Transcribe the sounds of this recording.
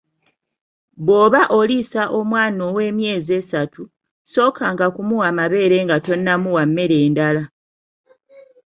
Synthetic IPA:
βo̞ːβaʔo̞lisaʔo̞mwaːno̞we̞ːmje̞ːzie̞ːsatʰu | so̞ːkaŋɡakumuwamaβe̞ːɾe̞ŋɡato̞nːamuwamːe̞ɾe̞ːndala

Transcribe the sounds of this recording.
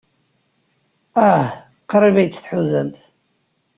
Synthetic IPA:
ah | qəɾivæjt͡sːθħuzənt̪ʰ

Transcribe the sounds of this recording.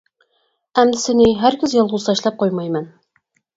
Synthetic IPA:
æmd̪ɪsɘ̆niɦæɾkʲɘzjɑlˠʁuzɑʃlˠɑp̚qojmɑjmæn

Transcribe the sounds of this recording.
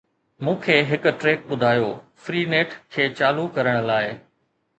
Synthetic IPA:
mũːkʰeːɦɪkʊ̆ʈɾeːk̚ɓʊd̪ʱaːjoːfɾiːneːʈʰkʰeːt͡ɕaːlukɐɾəɽ̃̆laːɪ

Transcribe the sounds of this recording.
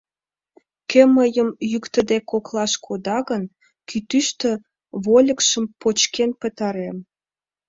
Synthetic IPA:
keməjəmjykt̪ə̆d̪ekoklɑʃkʰod̪ɑɣən | kʰyt̪yʃt̪ø̆ | βolʲə̆kʃəmpot͡ɕkenpət̪ɑɾem

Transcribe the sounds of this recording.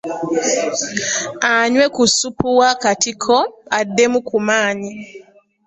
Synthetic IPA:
aɲwekusupuwakatikʰɔadːemukumaːɲi

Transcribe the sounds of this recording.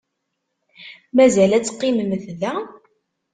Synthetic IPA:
mæzælæt͡sːqːiməmθðæ

